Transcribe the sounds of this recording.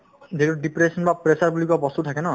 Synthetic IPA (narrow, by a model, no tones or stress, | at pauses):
d̪ekɾuɖipɾesɔnbapɾesarbulikɔbɔst̪ut̪ʰakenɔ